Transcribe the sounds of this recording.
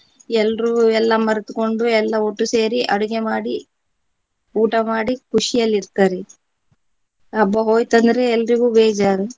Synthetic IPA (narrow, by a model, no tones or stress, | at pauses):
ɛlːɾuɛlːɐmɐɾɐt̪uko̞ɳɖuɛlːɐoʈːuse̞ːɾiʔɐɽuɡemaːɽi | uːʈɐmaːɽikuʂijɐlːiɾt̪aːɾe | ɐbːɐɦo̞ːjt̪ɐnd̪ɐɾeːlːɾiɡuːbeːd͡ʒaːɾu